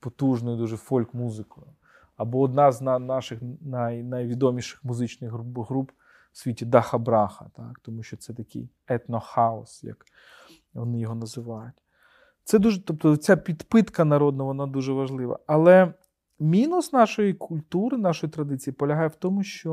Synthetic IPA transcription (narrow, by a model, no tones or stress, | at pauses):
pɔt̪uʒnɔjd̪uʒɛfɔlʲkmuzɪkɔjʊ | ɐbɔːd̪nɑznanɑʃɪxnɐjnɐjʋʲid̪ɔmʲiʃɪ̥xmʊzɪt͡ʃnɪɣɦbɦɾup | sʲʋʲitʲid̪ɐxɐbɾɑxɐ̰t̪ɑkt̪ɔmuʃt͡ʃɔt̪sɛt̪ɐkɪ̰j | ɛt̪nɔxɑɔsjɐ̰k | ʋɔnɪjɔɦɔnɐzɪʋɑjʊtʲ | t̪sɛd̪uʒɛt̪ɔpt̪ɔt͡sʲapʲid̪pɪt̪kɐnɐɾɔd̪nɐʋɔnɑd̪uʒɛʋɐʒlˠɪʋɐ̰ɐlˠɛ | mʲinusnɑʃɔjikʰʊlʲt̪uɾɪnɑʃɔjit̪ɾɐd̪ɪt͡sʲijipɔlʲɐɦɑjɛwt̪ɔmʊʃt͡ʃɔ